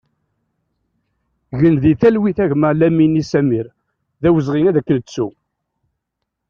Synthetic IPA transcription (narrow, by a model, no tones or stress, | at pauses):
ʝənðiθælwiθæʝməlæminisæmiɾ | ðæwəzʁinæðækːələt͡sːu